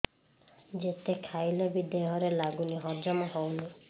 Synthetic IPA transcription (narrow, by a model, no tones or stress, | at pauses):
d͡ʒet̪ekʰajlebid̪eɦɔɾelaɡuniɦɔɾd͡ʒɔmɔɦɔwni